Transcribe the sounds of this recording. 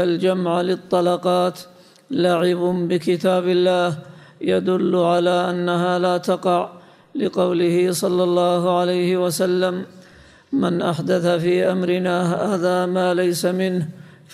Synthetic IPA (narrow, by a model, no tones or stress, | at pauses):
ald͡ʒamʕlɪt̪ˤːɑlɑqɑːt̪ | laʕɪbʊbɪkɪt̪aːbɪlːaːh | jad̪ʊlːʕalaːʔanːaɦaːlaːt̪ɑqɑʕ | lɪqɑwlɪhɪsˤɑlːɑlˤːɑːhʊʕalajhɪwasalːamː | anʔaħd̪aθafiːʔamɾɪnaːhaːðaːmaːlajsamɪnh